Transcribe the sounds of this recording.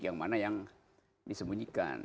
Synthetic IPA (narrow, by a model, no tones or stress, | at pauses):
kjaŋmanajaŋ | disəmbuɲika̰n